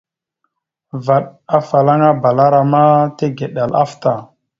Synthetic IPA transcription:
va˨ɗa˦fa˨la˦ŋa˦ba˨la˦ɾa˨ma˦te˦ɡe˨ɗa˨la̰˦fta˨

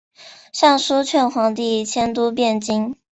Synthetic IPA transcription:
ɕjɑ˥˩ŋʂu˥t͡ɕʰɥɛ˥˩nxwɑ˧˥ŋt̪̬i˥˩t͡ɕʰjɛ˥nt̪u˥pjɛ˥˩nt͡ɕi˥ŋ

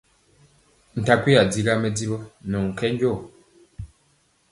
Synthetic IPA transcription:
n̩˨ta˨kwi˦a˨d͡zi˦ɾa˦mɛ˦d͡zi˦βɔ˦nɔ˨ŋ̩˨kɛ˦ɲ˦ɟɔ˦˨

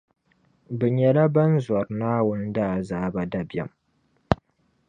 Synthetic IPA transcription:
bɨ˨ɲɛ˨la˦ba˦nzɔ˨ɾnaː˦wʊ˦n˦daː˦˨zaː˦ba˨da˨bɛ̰˨m

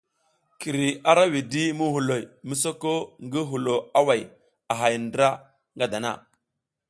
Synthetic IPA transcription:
ki˨ɾi˨a˦ɾa˦wi˨di˦mu˦ɦu˨lo˨jmə˦so˦ko˦ŋɡə˦ɦu˨lo˨a˦wa˨j | a˨ɦa˨jndɾa˦ | ŋɡa˦da˨na̰˦˨

